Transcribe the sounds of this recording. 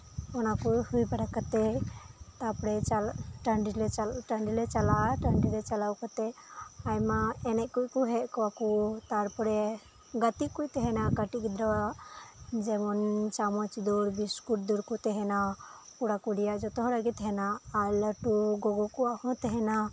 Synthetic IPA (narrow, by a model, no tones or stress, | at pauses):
ɔnakuhujbəɽakat̪ɛ | t̪apɽɛt͡ʃalʈəɳɖilɛt͡ʃaʈəɳɖilɛt͡ʃalaʈəɳɖilɛt͡ʃalawkat̪ɛajmaɛnɛʔkuʔkuɦɛʔkɔwakut̪aɾpɔɾɛ | ɡat̪iʔkujt̪ɛɦɛnakəʈikid̪ɾaaʔd͡ʒɛmɔnt͡ʃamɔt͡ʃd̪ɔɾbiskuʈ̚d̪ɔɾkut̪ɛɦɛnapuɽakuɽijaʔd͡ʒɔt̪ɔɦɔ̃ɾaɡit̪ɦɛnaːɾləʈuɡɔɡɔkuahɔ̃t̪ɛɦɛna